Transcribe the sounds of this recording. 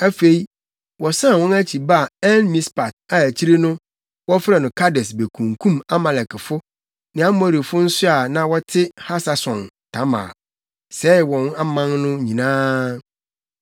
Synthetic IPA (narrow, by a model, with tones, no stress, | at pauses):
æ˦fe˨i˦ | wɔ˨sã˦˨wɔ̃˦næ˦t͡ɕʰi˨ba˦˨ɛ˦nmĩ˦spa˨t̚a˨æ˨t͡ɕʰi˦ɾe˦nʊ̃˦ | wɔ˦fɪ˦ɾɛ˨nʊ̃˨kʰa˦dɛ˨sbe˨kʰũ˨ŋkʰũ˦ma˦mã˨lɛ˨kɪ˨fʊ˦ | nɪ̃˨˦a˦mɔ˦˨ɾi˨fʊ˦n̩˦sʊ˦a˨nã˨wɔ˦tʰɪ˦ha˦sa˨sɔ̃˨n | tʰã˦mã̰ː˨ | sɛ˦˨wɔ̃˨na˦mã˦nnʊ̃˦ɲĩ˨nãː˦